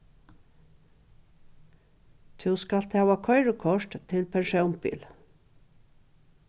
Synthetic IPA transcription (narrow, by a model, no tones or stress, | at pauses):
t̪ʰʉːskɑlt̪ʰɑːwɑkʰœʏɹəkʰɔʃʈt̪ʰɪlpʰɛɳʃœʊmbḭːl